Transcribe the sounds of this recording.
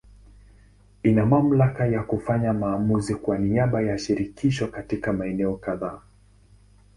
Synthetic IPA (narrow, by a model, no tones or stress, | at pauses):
inamam̩lakajakufaɲamaːmuzikwaniaɓajaʃiɾikiʃɔkatikamaɛnɛɔkaðaː